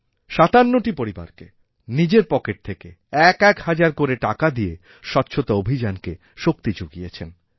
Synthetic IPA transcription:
ʃat̪anːoʈipoɾiba̰ɾke | nid͡ʑeɾpɔkeʈ̚t̪ʰeke | ɛkɛkhad͡ʑaɾkoɾeʈakad̪ije | ʃɔtːɕʰot̪aobʱid͡ʑanke | ʃok̚t̪id͡ʑuɡijet͡ɕʰen

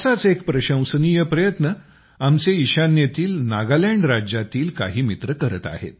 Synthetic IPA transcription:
sat͡sekpɾəɕə̃w̃səniːjəpɾəjət̪nə | amt͡seiɕanjet̪iːlnaɡalaɳɖɾad͡ʑjat̪iːlka̰ɦiːmit̪ɾəkəɾə̰t̪a̰hḛt̪̚

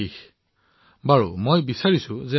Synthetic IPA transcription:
i | baɹṵmojbisaɹisʊ̃zɛ

